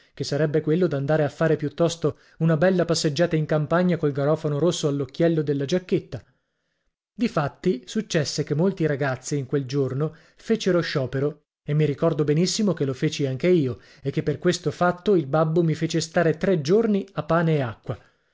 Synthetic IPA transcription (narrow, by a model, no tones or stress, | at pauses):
kesːaɾɛbːekwelːod̪and̪aːɾeafːaːɾepjut̪ːɔst̪o | unabɛlːapasːed͡ʒːaːt̪aiŋkampaɲːakolɡaɾɔːfonoɾosːoalːokːjɛlːod̪elːad͡ʒakːet̪ːa | d̪ifat̪ːisut͡ʃːɛsːekemːolt̪iɾaɡat̪sːiːŋkweld͡ʒorno | feːt͡ʃeɾoʃɔːpeɾo | emːiɾikɔrd̪obenisːimokelofeːt͡ʃiaŋkeiːo | ekːepːerkwest̪ofat̪ːoilbabːomifeːt͡ʃest̪aːɾet̪ɾed͡ʒorniapːaːneːakːwa